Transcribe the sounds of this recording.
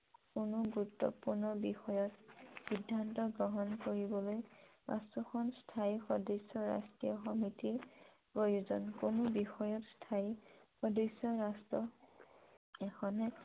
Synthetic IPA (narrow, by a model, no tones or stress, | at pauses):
kʊnʊɡuɹutːɔ̰puɹnɔbixɔjɔtxidʱːantɔɡɔɦɔnkoɹibɔlojma̰stɔxʰɔnstʰajxɔdesɔɹa̰stɹijɔxɔmitiɹ | pɹojuzɔnkʊnobixɔjɔtstʰajixɔdesɔɹastɔ | ɛxʰɔnɛ